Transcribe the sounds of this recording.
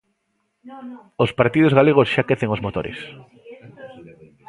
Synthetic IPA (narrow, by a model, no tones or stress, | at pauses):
ospaɾt̪ið̞ozɣaleɣ̞osʃakeθeŋozmot̪o̰ɾḛs